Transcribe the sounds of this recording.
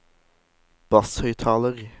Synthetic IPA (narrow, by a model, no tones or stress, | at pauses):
b̥ɑshœʏt̪ʰɑːləʁ